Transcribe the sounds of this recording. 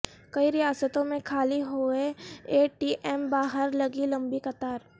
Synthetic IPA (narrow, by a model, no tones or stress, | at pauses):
kɐiɾɪjaːsət̪õmẽkʰaːliɦoːeeːʈiːʔɛmbaːɦəɾlɐɡilɐ̃mbikɐt̪aːɾ